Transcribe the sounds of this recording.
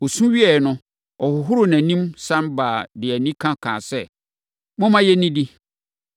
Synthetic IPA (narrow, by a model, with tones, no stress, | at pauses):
o˨sũ˦ɥi˦ɛ˨nʊ̃˦ | ɔ˨hʊ˨ɦʊ˦ɾʊ˦næ̃˨nĩ˦msã˦mbaː˨dɪ˨æ˨nĩ˦kʰã˦kʰã̰ː˨sɛ˦ | mʊ̃˦mã˦jɛ˦nĩ˦di˦